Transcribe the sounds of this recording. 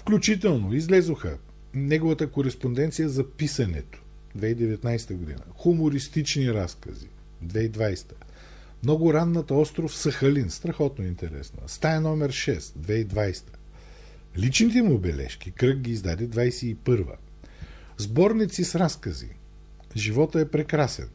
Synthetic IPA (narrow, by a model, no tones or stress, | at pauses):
fklʲut͡ʃit̪ɛlˠnoizlɛzoxə̰ | nɛɡovət̪əkoɾɛspond̪ɛnt̪sijəzɐpisɐnɛ̰t̪o̥ | d̪vɛid̪ɛvɛt̪najst̪əɡod̪ḭnə̰xʊmoɾist̪it͡ʃniɾaskə̰zḭ | d̪vɛid̪vajst̪ə̥ | mnɔɡʊɾanːət̪ɔst̪ɾofsɐxɐlinst̪ɾɐxɔt̪noint̪ɛɾɛ̰snə̰st̪aɛnɔmɛɾʃɛsd̪vɛid̪vajst̪ə̥ | lit͡ʃnit̪ɛmʊbɛlɛ̰ʃkʲikɾɤk̚ɡʲiːzd̪ad̪ɛd̪vajsɛipɤɾvə̰ | zbɔɾnit̪sisɾaskəzḭ | ʒivɔt̪əɛpɾɛkɾasɛ̰n